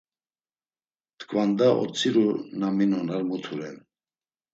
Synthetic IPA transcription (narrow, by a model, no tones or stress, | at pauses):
t̪kʰʼvand̪aʔɔ̰t͡sʰʼiɾunaminɔnaɾmut̪ʰuɾɛn